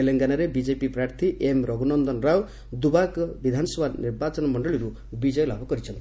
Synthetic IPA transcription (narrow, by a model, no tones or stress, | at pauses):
eleŋɡanaɾebid͡ʒepipɾaɾt̪ʰiʔemɾɔɡunɔnd̪ɔnɾaw | d̪ubakɔbid̪ʱanɔsɔbʱaniɾbat͡ʃɔnɔmɔɳɖɔɭiɾu | bid͡ʒɔjlabʱɔkɔɾit͡ʃʰɔnt̪i